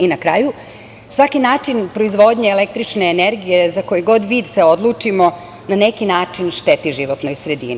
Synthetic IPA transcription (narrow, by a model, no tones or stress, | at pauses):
inakɾaːju | sʋakinaːt͡ʂinpɾo̞izʋo̞d̪ɲeːlek̚t̪ɾit͡ʃneːneɾɡije̞zakojiɡo̞d̪ʋid̪seo̞d̪lˠuːt͡ʂimo̞ | nanekinaːt͡ʂinʃt̪e̞t̪iʒiʋot̪nojsɾed̪ḭːni